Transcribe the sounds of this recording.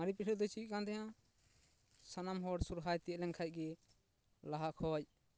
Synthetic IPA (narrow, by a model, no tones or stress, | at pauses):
maɾipiʈʰɛld̪ɔjt͡ʃikand̪ɛɦã | sanamɦɔɽsuɾɦajt̪iɛlɛŋkʰac̚ɡɛ | laɦakʰɔj